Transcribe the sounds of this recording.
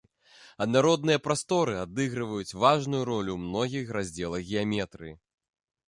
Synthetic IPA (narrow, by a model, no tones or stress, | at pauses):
ɐd̪naɾɔd̪nɨjɐpɾast̪ɔɾɨad̪ɨɣɾɨvɐjut͡sʲvaʐnujuɾɔlʲumnɔɣʲixrazʲd͡zʲɛlˠɐɣɣʲɛjamʲɛt̪ɾɨji